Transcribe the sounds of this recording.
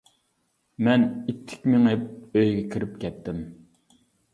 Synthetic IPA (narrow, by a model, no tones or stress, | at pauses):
mɛnit̪ʰːɪ̥kʲmɪŋɪp̚øjɡʲɛkʲʰiɾɪp̚kʲʰɛt̪ʰːɪm